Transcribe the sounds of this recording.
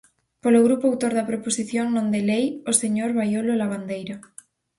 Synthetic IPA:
poloɣ̞ɾupoawt̪oɾðapɾoposiθjoŋnõnd̪elejoseɲoɾβajololaβ̞and̪ejɾa

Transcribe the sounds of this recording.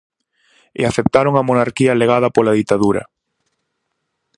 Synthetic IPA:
ɪ̰aθep̚t̪aɾoŋɐmonaɾkiɐleɣ̞að̞ɐpolaðit̪aðuɾɐ̰

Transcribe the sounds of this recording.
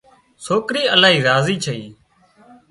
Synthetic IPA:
soːkɾiːəlaːɦiːɾaːziːt͡ʃʰəiː

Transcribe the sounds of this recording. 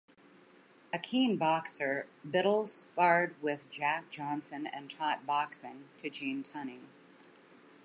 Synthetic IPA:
ɨkʰĩnbɑksə˞bɪɾl̩ˠz̥spɑɹd̚wɪðd͡ʒæk̚d̥ʒ̥ɑ̃nsɨ̃nɨ̰̃ntʰɑt̚b̥ɑksɪ̃ŋtʰɨd͡ʒĩntʰʌni

